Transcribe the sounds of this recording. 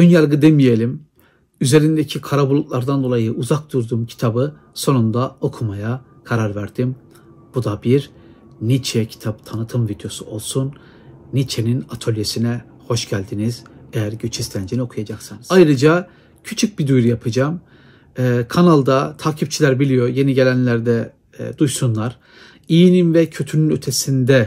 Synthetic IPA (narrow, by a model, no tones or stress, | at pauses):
ønjaɾɡɯd̪emije̞lʲim | yze̞ɾind̪ecʰikʰaɾabulˠuk̪lˠaɾd̪and̪o̞lˠajɯʔuzak̚d̪uɾd̪uːmcʰi̥t̪ʰabɯ | so̞nund̪ao̞kʰumaja | kʰaɾaɾvæɾd̪̥im | b̥ud̪abiɾ | nit͡ʃʰɛcʰi̥t̪ʰapt̪ʰanɯt̪ʰɯmvid̪jo̞suo̞lˠsun | nit͡ʃʰe̞ninat̪ʰo̞lʲjesinɛ | ho̞ʃɟælʲd̪iniz̥ejæɾɟyt͡ʃʰist̪ʰænd͡ʒinio̞kʰujad͡ʒaksɯnɯzajɾɯd͡ʒa | cʰyt͡ʃʰyc̚bid̪ujɾujapʰɯd͡ʒaːm | ɛkʰanalˠd̪at̪ʰaːcʰip̚t͡ʃʰilʲæɾbilʲijo̞ɾje̞niɟe̞lʲænlʲæɾd̪ɛ | d̪ujsunlˠaɾ̥ | ijininvɛcʰø̞t̪ʰynynø̞t̪ʰe̞sind̪ɛ